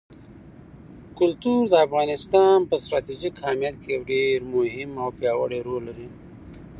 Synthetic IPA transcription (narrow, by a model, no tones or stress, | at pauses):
kʊlt̪uɾd̪əːfɣɑːnɪst̪ɑnpəst̪ɾɑːt̪id͡ʒikɑːmjɑt̪̚kejɐwɖeɾmʊɦɪmawpjɑwə̰ɽeɾolːaɾi